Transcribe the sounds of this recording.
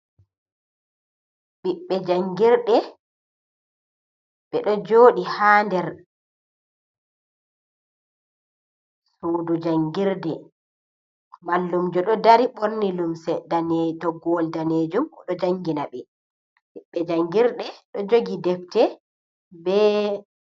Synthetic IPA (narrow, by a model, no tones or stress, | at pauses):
ɓiɓːɛd͡ʒaŋɡiɾɗɛ | ɓɛɗɔd͡ʒoːɗihaːndɛɾ | suːdud͡ʒaŋɡiɾdɛ | malːumd͡ʒɔɗɔdaɾiɓoɾnilumsɛdanetɔɡɔldaneːd͡ʒumɔɗɔd͡ʒaŋɡinaɓɛ | ɓiɓːɛd͡ʒaŋɡiɾɗɛɗɔd͡ʒoɡidɛftɛ | bɛ